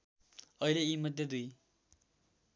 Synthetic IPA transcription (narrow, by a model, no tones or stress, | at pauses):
ʌileimʌd̪ʱjed̪uj